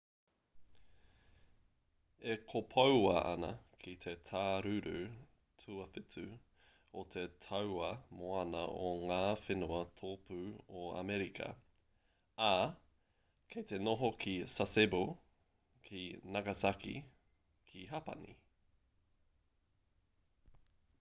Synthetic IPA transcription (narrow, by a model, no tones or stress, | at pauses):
ekʰopʰowɐʔɐ̰nɐ̰kʰit̪ʰet̪ʰaːɾʉɾʉ | tʰuɐfitʰʉ | ot̪ʰe̞tʰɐwɐmoɐnɐʔoŋaːfenuɐt̪ʰoːpʰʉːoa̰mɛɾikʰɐ̰ | a | kʰet̪enoɦokʰisasebu | kʰinɐɡɐsakḭ | kʰiɦapɐ̰nḭ